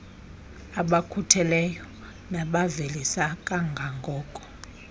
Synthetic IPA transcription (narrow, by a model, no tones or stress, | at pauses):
aɓakʰutʰɛlɛjɔ | naɓavelisakʼaŋɡʱaŋɡʱɔːkʼɔ̥